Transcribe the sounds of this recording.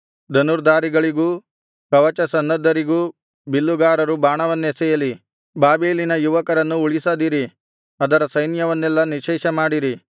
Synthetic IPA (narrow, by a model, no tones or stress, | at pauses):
d̪ɐnuɾd̪aːɾiɡɐɭiɡuː | kɐʋɐt͡ʃɐsɐnːɐd̪ʱːɐɾiɡuː | bilːuɡaːɾɐɾubaːɳɐʋɐnːesɛːjɐli | baːbiːlinɐjuʋɐkɐɾɐnːuuɭisɐd̪iɾi | ɐd̪ɐɾɐsɐjnjɐʋɐnːɛlːɐniʃɛːʃɐmaːɽiɾi